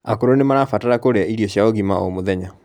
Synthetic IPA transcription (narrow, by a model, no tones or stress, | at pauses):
akoɾonemaɾafataɾakoɾeaiɾiɔɕjaoɣimaomoðɛɲa